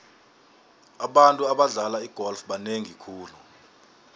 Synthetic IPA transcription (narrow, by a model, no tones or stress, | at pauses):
aɓantʼuaɓaɮalaiɡ̥ʱɔlfɓaneŋikʰuːlu